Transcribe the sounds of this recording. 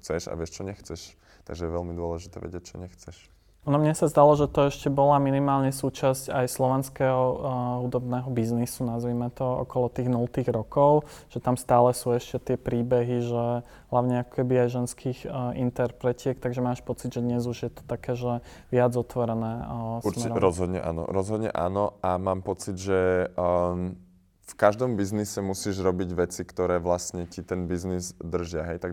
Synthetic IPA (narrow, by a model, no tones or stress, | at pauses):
xt͡sɛʃa̰ʋɪɛʃt͡ʃɔɲɛxt͡sɛʃ | t̪a̰ɡʒɛjɛʋɛlmid̪ʊɔlɛʒit̪ɛ̰ʋɛ̰ɟɪɛc̚t͡ʃɔɲɛxt͡sɛʃ | nɔmɲɛsazd̪alɔʒɛt̪ɔɛʃcɛbɔlaminimaːlɲɛsuːt͡ʃascajslɔʋɛnskɛːɦɔɦud̪ɔbnɛːɦɔbiznisunazʋimɛt̪ɔɔ̰kɔlɔt̪iːɣnult̪iːɣɾɔkɔʊ | ʒ̥ɛt̪amst̪aːlɛsuːɛʃcɛt̪ɪɛpɾiːbɛɦiʒɛ | ɦlaʊɲɛakɔ̥kɛbiajʒɛnskʰiːɣint̪ɛɾpɾɛcɪɛkt̪aɡʒɛmaːʃpɔt͡sid̪ʒɛd̪ɲɛzuʒjɛt̪ɔ̥t̪akɛːʒɛ | ʋɪad͡zɔt̪ʋɔɾɛnɛːsmɛɾɾɔzɦɔd̪ɲɛ̰ʔa̰ːnɔ̰ɾɔzɦɔd̪ɲɛ̰ʔa̰ːnɔamaːmpɔt͡sid̪ʒɛ | fkaʒd̪ɔmbiznisɛmusiːʒɾɔbiɟʋɛt͡sikt̪ɔɾɛːʋlast̪ɲɛcit̪ɛnbiznizd̪r̩ʒɪaɦɛjt̪aɡ